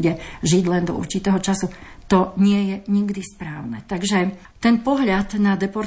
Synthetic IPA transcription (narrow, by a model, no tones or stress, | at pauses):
ɟɛʒiɟlɛnd̪ɔ̰ṵɾt͡ʃit̪ɛːɦɔt͡ʃasut̪ɔɲɪɛjɛɲiɡd̪ispɾaːʊnɛ̰t̪aɡʒɛ | t̪ɛnpɔɦʎad̪nad̪ɛpɔɾ